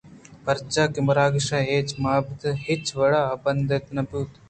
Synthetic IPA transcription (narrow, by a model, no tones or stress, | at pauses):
pɐɾt͡ʃaːkɪmɐɾaːɡʃaːeːt͡ʃmaːbd̪ɦɪt͡ʃʋɐɽaɐbɐnd̪et̪nɐpuːt̪